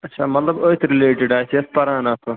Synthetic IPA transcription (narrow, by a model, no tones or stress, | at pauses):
ɐtːt͡ʃʰaːmɐt̪lɐboːit̪ʰɾɪleːʈɪɖaːsiɐspɐɾãːnat̪o